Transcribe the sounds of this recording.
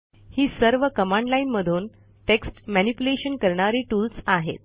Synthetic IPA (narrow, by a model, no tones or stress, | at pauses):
hiːsəɾʋəkəmãɳɖlainməd̪ʱuːn | ʈeksʈmænipjuleɕənkəɾɳaɾiːʈuːlsaɦḛt̪̚